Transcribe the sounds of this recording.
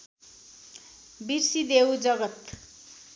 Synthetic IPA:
birsid̪ewd͡zʌɡʌt̪

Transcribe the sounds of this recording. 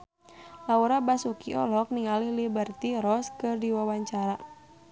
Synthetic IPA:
lauɾabasukiɔ̰lɔk̚niŋalihlibərt̪iɾɔskɨrdiwawaɲt͡ʃaɾa

